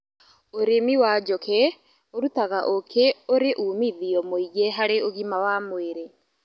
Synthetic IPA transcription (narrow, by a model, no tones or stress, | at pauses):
oɾemiwad͡ʒɔkʰe | oɾutaɣaʔokʰeoɾeʔuːmiðiɔmoiɣeɦaɾeoɣimawamweɾe